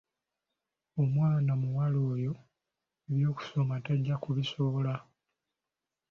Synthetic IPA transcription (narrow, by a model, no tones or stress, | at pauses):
omwaːnamuwalo̞ːjo̞ | eβjo̞ːku̥so̞mateɟːakuβisola